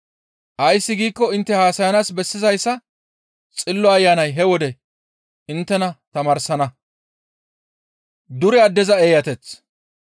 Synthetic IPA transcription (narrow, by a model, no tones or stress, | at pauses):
ʔɐjsːɪɡiːkːɔɪnt̪ːɛhaːsɐjɐnaːsbɛsːɪzɐjsːɐ | t͡sʼɪlːɔɐjːaːnɐjɦɛwɔd̪ɛ | ʔɪnt̪ːɛnɐt̪ɐmɐːɾsɐnɐ | d̪ʊɾɪad̪ɛzɐeːjɐt̪ɛt͡s